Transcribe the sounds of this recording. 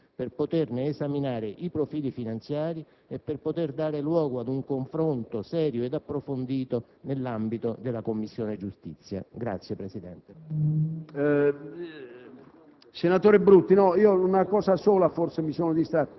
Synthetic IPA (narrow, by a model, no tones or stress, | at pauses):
perpot̪erneːsaminaːɾeʔipɾofiːlifinant̪sjaːɾi | epːerpot̪erd̪aːɾelwɔːɡoad̪uŋkoɱfɾont̪osɛːɾjoed̪apːɾofond̪iːt̪o | nelːambit̪od̪elːakomːisːjoːned͡ʒust̪it̪sːja̰ɡɾa̰t̪sːjepɾesid̪ɛnt̪e | senat̪oːɾibɾut̪ːinɔiːounakɔːsasoːlaforsemisoːnod̪ist̪a